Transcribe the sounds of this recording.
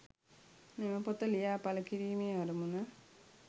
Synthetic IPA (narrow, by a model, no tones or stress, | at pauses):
neməpot̪ɐlijaːpɐlɐkiɾiːmeːɐɾumunɐ